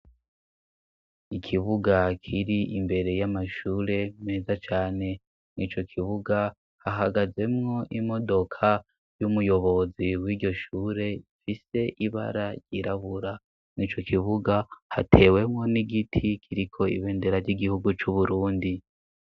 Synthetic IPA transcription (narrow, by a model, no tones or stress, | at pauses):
ikʰiβuɡakʰiɾiimbe̞ɾe̞jamaʃuːɾe̞me̞ːzat͡ʃaːne̞ | nit͡ʃo̞kʰiβuɡa | haɦaɡaze̞mŋo̞ʔimo̞do̞kʰa | jumujo̞βo̞ziwiːɟo̞ʃuːɾe̞ifise̞ʔiβa̰ɾaɾɟiɾaβuɾa | nit͡ʃo̞kʰiβuɡahatʰe̞ːwe̞mŋo̞niɡitʰikʰiɾikʰo̞ḭβe̞ːnde̞ɾaɾɟiɡihuɡut͡ʃuβuɾuːndi